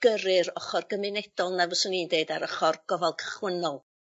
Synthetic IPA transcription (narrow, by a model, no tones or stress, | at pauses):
ɡ̥əɾɨɾɔχɔrɡəmɪnɛd̥ɔlˠnavɔsɔniːndeɨdaɾəχɔrɡ̥ɔvɔlˠkʰə̥χwənɔlˠ